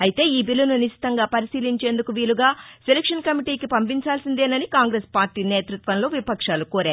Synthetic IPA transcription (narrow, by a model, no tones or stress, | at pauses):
ɐjit̪e̞ːiːbilːununiʃi̥t̪ɐŋɡaːpɐɾisiːliɲt͡ʃe̞ːnd̪ukuʋiːluɡaːselekʂɐnkɐmiʈiːkipɐmp̬iɲt͡ʃaːlsind̪e̞ːnɐnikaːŋɡɾeːspaːɾʈiːne̞ːt̪ɾut̪ʋɐnlo̞ːʋipɐkʂaːlukoːɾaːɾu